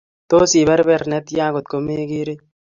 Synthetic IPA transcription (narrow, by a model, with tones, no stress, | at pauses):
t̪o˦si˨bɐ˦ɾbɛ˨ɾnɛ˦t̪jãː˦ɡo˨t̪̚ko˦me˦ɡi˦ɾe˦